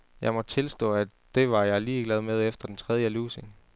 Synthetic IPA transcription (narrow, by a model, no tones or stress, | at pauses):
jɑ̈ɪmɒ̽d̥̚t͡sʰe̝lsd̥ɔ̰̽ːæ | d̥e̝ʋɑ̈jɑ̈ɪliːɡ̥lɛð̞ˠmeð̞ˠefd̥ɐd̥ent͡sʰʁɛð̞ˠjəluːseŋ